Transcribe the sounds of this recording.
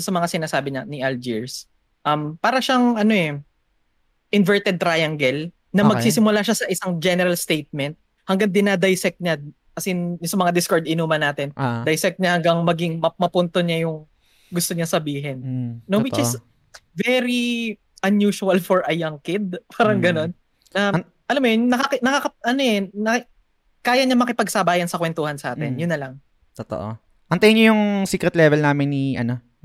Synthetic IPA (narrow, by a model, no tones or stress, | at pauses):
sɐmɐŋasɪnaːsaːbɪɲɐnɪʔɛld͡ʒiɹs | ʔɐmpaːɾɐʃaŋʔɐnoʔɛ | ʔɪnvɛɹt̪ɛd̪̚t̪ɾajɐŋɡɛl | nɐmɐɡ̚siːsɪmʊlaʃasɐʔɪsaŋd͡ʒɛnɛɾɐlst̪ejt̪̚mɛnt̪̚ | hɐŋɡɐŋd̪ɪnad̪ɐjsɛk̚t̪̚ɲa | kɐsɛjʊsɐmɐŋad̪ɪskoɹd̪ɪnuːmɐnːaːt̪ɪnd̪ɐjsɛk̚t̪̚ɲahɐŋɡɐŋmɐɡiŋmɐmɐpʊnt̪oɲajʊŋ | ɡʊst̪oɲɐsɐbiːɦɛnːowɪt͡ʃɪs | vɛɾi | ʔɐnjuːʃuɐlfɔɹʔɐjaŋkɪd̪̚pʰaːɾɐŋɡɐno̞n | nɐ | ʔɐlamojnɐkakɪnɐkakɐʔɐnoɛnɐ | kaːjɐɲɐmɐkɪpɐɡ̚sɐbaːjɐnsɐkwɛnt̪oːhɐnsɐʔa̰ːt̪ɪnjʊnːɐlɐŋ | t̪ot̪o̰ʔo̰ | ʔɐnt̪ɐjɪɲojʊŋsiːkɾɛt̪lɛvɛlnaːmɪnːiʔɐno